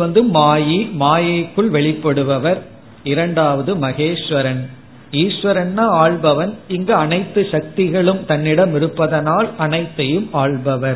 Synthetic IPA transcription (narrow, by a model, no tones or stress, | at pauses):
ʋɐnd̪ɯmaːjimaːjɐkːɯɭʋɛɭɪpːɐɽɯʋɐʋɐɾ | ɪɾɐɳɖaːʋɐðɯmɐɣeːʂʋɐɾɐn | iːʂʋɐɾɐnːaaːɭbɐʋɐnɪŋɡɐɐnɐɪt̪ːɯʂɐk̚t̪ɪɣɐɭɯmt̪ɐnːɪɽɐmɪɾɯpːɐðɐnaːlɐnɐɪt̪ːɐjɯmaːɭbɐʋɐɾ